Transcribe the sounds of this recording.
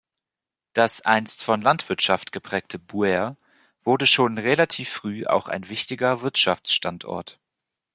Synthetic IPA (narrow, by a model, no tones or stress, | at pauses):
d̥asʔa̰ɪnstfɔnlantv̥ɪɐtʃaftɡ̥əpʁ̥ɛːk̚tʰəbuɛɐ | v̥ʊɐdəʃoːnʁelatʰiːfːʁ̥yːʔa̰ʊxa̰ɪnvɪçtɪɡɐvɪɐtʃaft͡sʃtantʰʔɔ̰ɐt